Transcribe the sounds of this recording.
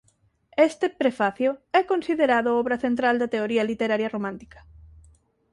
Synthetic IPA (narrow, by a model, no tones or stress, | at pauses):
est̪epɾefaθjoɛkonsiðeɾaðʊɔβɾɐθent̪ɾald̪ɐt̪eoɾiɐlit̪eɾaɾjɐromãnt̪i̥kɐ̥